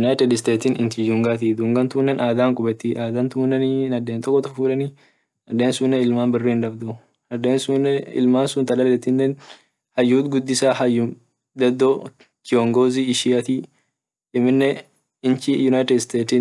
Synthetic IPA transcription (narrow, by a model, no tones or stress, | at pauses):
jʊnajt̪ɛd̪ɪst̪eːt̪iːnɪnt̪id̪uːŋɡaːt̪id̪uːŋɡɐnt̪ʊnːɛnʔaːd̪aːŋkʼʊbɛt̪ːiʔaːd̪aːnt̪ʊnːɛnnɐd̪ːeːnt̪ʼɔkʼːɔt̪ʊfuːᶑɐnɪ | ɐd̪eːnsʊnːɛɪlmaːnbɪrːiːnᶑɐbd̪ʊ | ɐd̪eːnsunːɛɪ̰lmaːnsʊnt̪ɐlɐlːɛt̪ːɪnːɛn | hɐjːuːt̪ɡʊd̪ːɪsaːhɐjːʊ | d̪ɐd̪ːo | kɪɔŋɡoːziːɪʃiɐt̪iː | ɪmːɪnːɛ | ɪnt͡ʃɪjʊnajt̪ɛd̪ɪst̪eːt̪iː